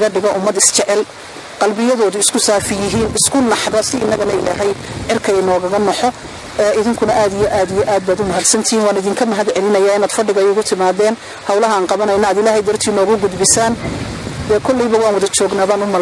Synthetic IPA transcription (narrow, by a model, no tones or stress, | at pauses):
ɣɐɖɪɣɔʔʊmːɐd̪ɪst͡ʃɛʕɛl | qɑlbɪjɐðɔːðʊɪskʰʊsaːfɪjɪɦiːnɪskʰʊnɑħðɐsɪɪnːɐɣɐnɛjlaɦɛjʕɪrkʰɐjnɔːɣɐɣɐnɔħɔ | ɛʔɪðɪŋkʰʊnɐʔaːd̪ijɔʔaːd̪ijɔʔaːd̪̚baːd̪ʊmɐɦɐd̪sɐnt̪ʰɪiːnwɑːnɪðɪːŋkʰɐmɐɦɐd̪ʕɛlɪnɐjaːɪnaːd̪fɐɖɪɣɐjʊɣʊt̪ʰɪmaːðɛːn | hɐwlɐɦɐaːnqɑβɐnɐjnɐːd̪ɪlaːɦɛjd̪ɐrt̪ʰiːnɔːɣʊɡʊd̪bɪsaːnd̪ɛkʰɔlːiβɐwɑːnwɐðɐt͡ʃɔːɡnaːβaːnʊmɐ